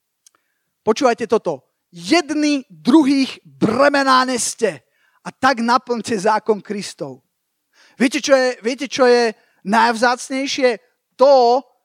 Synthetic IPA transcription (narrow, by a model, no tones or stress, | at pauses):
pɔt͡ʃuːʋajcɛt̪ɔt̪ɔ | jɛd̪nid̪ɾuɦiːɣ | brɛmɛnaːɲɛscɛ | at̪aɡnapl̩ɲcɛzaːkɔnkɾist̪ɔʊ | ʋɪɛcɛt͡ʃɔjɛʋɪɛcɛt͡ʃɔjɛ | najʊzaːt͡sɲɛjʃɪɛ | t̪ɔ